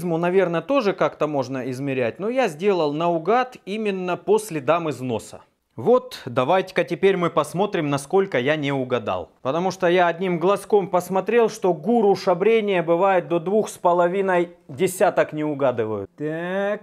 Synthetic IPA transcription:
zmʊnɐvʲe̞rnət̪o̞ʐɨkakt̪əmo̞ʐnəɪzmʲɪɾʲæt̚ʲno̞jazʲdʲelˠəlˠnəʊɡat̪imʲɪnːəpo̞sʲlʲɪd̪amɨzno̞̰sə̰ | vo̞t̪d̪ɐvajtʲɪ̥kətʲɪpʲeɾʲmɨpɐsmo̞t̪ɾʲɪmnɐsko̞lʲkəjanʲɪʊɡɐd̪a̰lˠpət̪ɐmuʂt̪ojaɐdʲnʲimɡlˠɐsko̞mpəsmɐt̪ɾʲe̞lˠʂt̪o̞ɡuɾʊʂɐbɾʲenʲɪjəbɨvajɪt̪̚d̪o̞d̪vuxspəlˠɐvʲinəj | dʲɪsʲat̪əknʲɪʊɡad̪ɨvəjʊ̰t̪ak

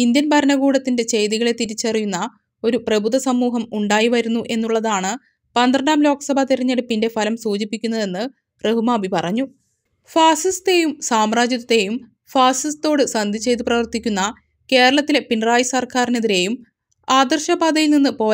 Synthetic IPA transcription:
ind̪jɐnbʱɐɾɐnɐɡuːɽɐt̪ːinde̞t͡ɕe̞jðiɣɐɭe̞t̪iɾit͡ɕːɐrijunːɐ | o̞ɾuprɐbud̪ɐsɐmːuːɦɐmuɳɖaːjiʋɐɾunːuʔe̞nːuɭːɐðaːɳɨ | pɐnd̪rɐɳɖaːmlo̞ːkɐ̥sɐbʱat̪iɾɐɲːɐɽɨpinde̞fɐlɐmsuːd͡ʑipːikʲːunːɐðe̞nːɨ | reɦumaːbʱipɐrɐɲːu | faːsist̪e̞jumsaːmraːd͡ʑjɐðɐt̪ːe̞jum | faːsist̪o̞ːɽɨsɐnd̪ʱit͡ɕe̞jt̪ɨprɐʋɐrt̪ːikʲːunːɐ | ke̞ːɾɐɭɐt̪ːilepinraːjɐsɐrkaːrine̞ðiɾe̞ːjum | aːd̪ɐrɕɐbaːd̪ɐjilninːɨpo̞ː

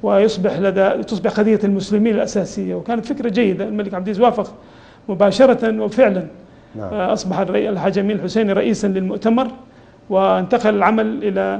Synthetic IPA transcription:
wɪjʊsˤbɪħlad̪at̪ʊsˤbɪħxɑd̪ɪjːalmʊslɪmiːnalʔasaːsɪjːawɪkaːnat̪fɪkɾˤad͡ʒajːɪd̪almalɪkʕabd̪iːzwaːfɪɣ | mʊbaːʃɑɾˤɑtanwɪfɪʕlan | ʔɑsˤbɑħalħad͡ʒamiːɪlħʊseːniɾˤɑʔiːsanlɪlmʊʔt̪amɑɾˤ | wɪɪnt̪aqɑlɪlʕamalʔɪla

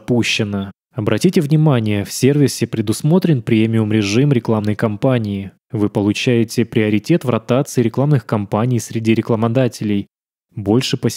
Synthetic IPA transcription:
puɕːɪnə | ɐbɾʔɐtʲitʲɪvnʲɪmanʲɪjəfsʲe̞rvʲɪsʲɪpɾʲɪd̪ʊsmo̞t̪ɾʲɪnpɾʲemʲɪʊmɾʲɪʐɨmɾʲɪklˠamnəjkɐmpanʲɪː | vɨpəlˠʊt͡ɕæjɪtʲɪpɾʲɪəɾʲɪtʲe̞t̪vrɐt̪at̪sɨɪɾʲɪklˠamnɨxkɐmpanʲɪjsʲɾʲɪdʲiɾʲɪklˠəmɐd̪atʲɪlʲɪj | bo̞lʲʂɨpə

